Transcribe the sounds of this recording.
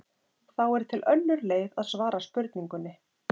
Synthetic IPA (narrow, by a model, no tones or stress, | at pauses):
θawɛɾ̥t̪ʰɪlʔœnːʏɾleːjðaðsvaːɾaspʏɾt̪niŋkʏnːɪ